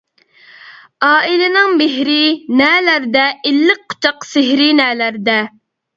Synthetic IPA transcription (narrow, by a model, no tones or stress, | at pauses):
ɑːilɪnɪŋmɪɦɾɪnɛːlæɾd̪ɛʔɪlːɪk̚qʰːʊ̥t͡ʃʰɑqsɪɦɾɪnɛːlæɾd̪ɛ